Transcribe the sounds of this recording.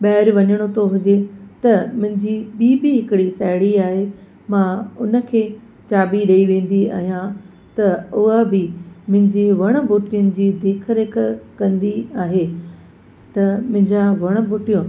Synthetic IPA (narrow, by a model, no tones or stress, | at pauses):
ɓɐːɪɾʋɐɲəɽ̃ot̪ʰoɦʊd͡ʑet̪ɐmʊ̃ɦɪ̃ɲd͡ʑiɓiːbɪɦɪkɪɽisɐɪɽiaːɦe | mãʊnə̆kʰeː | t͡ɕaːbiɗɐiʋẽːn̆d̪ia̰ːɦijã | t̪ɐʊɦəbɪmʊ̃ɦɪ̃ɲd͡ʑiʋɐɽ̃ə̆boːʈijʊnɪ̆d͡ʑiːd̪eːkʰəɾekʰkɐ̃nd̪iaːɦe | t̪ɐmʊ̃ɦɪ̃ɲd͡ʑãʋɐɽ̃ə̆buːʈijõ